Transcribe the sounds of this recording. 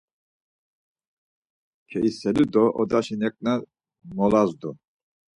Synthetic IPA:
kʰɛʔisɛlid̪ɔʔɔd̪aʃinɛkʼna | mɔlazd̪u

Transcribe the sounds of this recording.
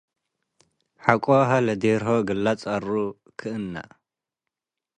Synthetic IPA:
ħakʷʼoɦalɐd̪eɾɦoɡɨlːat͡sʼɐru | kʰɨʔɨnːa̰

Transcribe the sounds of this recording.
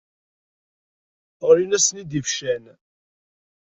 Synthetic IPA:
ʊɾinæsnid̪ifʃæn

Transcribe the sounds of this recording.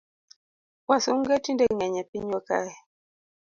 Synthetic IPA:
wasuŋ̩ɡɛtindɛŋɛɲɛpiɲɔka̰ɛ

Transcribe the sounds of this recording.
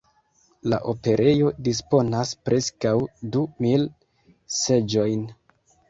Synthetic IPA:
la̰ʔo̞pe̞ɾe̞jo̞dis̬po̞naspɾʔe̞skawdumil | se̞d͡ʒo̞jn

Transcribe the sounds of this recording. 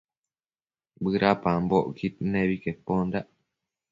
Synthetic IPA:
bɨɾapãmboʔkit̪̚nẽβikepond̪aʔ

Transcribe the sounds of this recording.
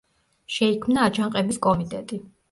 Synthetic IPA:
ʃɛikʰmnaːd͡ʒʰaɴqʼɛbiskʼɔmit̪ʼɛt̪ʼi

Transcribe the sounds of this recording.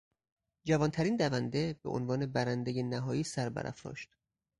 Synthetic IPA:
d͡ʒævɒːnt̪ʰæɾiːnd̪ævænd̪e̞beʔo̰nvɒːnebæɾænd̪ejenæɦɒːjiːsæɾbæ̰ɾʔæ̰fɾɒ̰ːʃt̪

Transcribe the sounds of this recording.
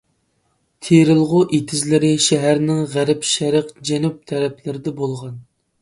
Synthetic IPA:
t̪ʰeɾɨlˠʁʊʔet̪ʰɪzlɪɾɪʃɛɦæɾnɪŋʁæɾɪpʃɛɾəqd͡ʒɛnup̚t̪ʰɛɾɛpʰlɪɾɪd̪ɛbolˠʁɑn

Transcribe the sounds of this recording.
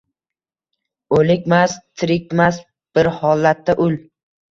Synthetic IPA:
ɵlɪkʲmast̪ʰɪɾɪk̚ʲmas | b̥ɪɾhɒlːat̪ʰːaʔʊl

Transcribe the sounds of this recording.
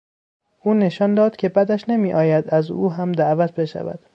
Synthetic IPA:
ʔuːne̞ʃɒnd̪ɒːd̪kcʰe̞bæd̪æʃnemiːʔɒːjæd̪æzuːɦæmd̪æʔvæt̪̚ʰbe̞ʃæ̰væ̰d̪̥

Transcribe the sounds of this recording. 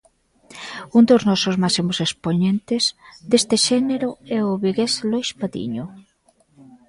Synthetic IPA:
und̪oznɔsozmasimosespoɲẽnt̪ɪzd̪est̪eʃɛneɾʊɛʊβiɣeslojspaðḭɲo

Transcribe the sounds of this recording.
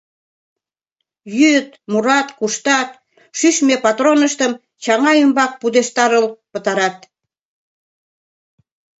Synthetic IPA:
jyt̪muɾɑt̪kuʃt̪ɑt̪̚ | ʃyʃmepɑt̪ronəʃt̪əm | t͡ɕɑŋɑjəmbɑk̚pud̪eʃt̪ɑɾəlpət̪ɑɾɑt̪̚

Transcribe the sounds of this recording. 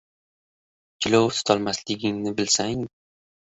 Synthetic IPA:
t͡ʃʰɪlɒwt̪ʰʊ̥t̪ʰɒlˠmaslɪɡʲɪŋnɪbɪlsaŋ

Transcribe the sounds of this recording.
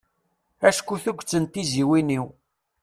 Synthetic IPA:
æʃkʷːuθuɡʷt͡sːənt̪iziwiniw

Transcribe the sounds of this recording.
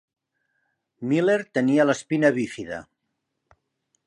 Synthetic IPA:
mileɾt̪əniələspinəβifiðə̰

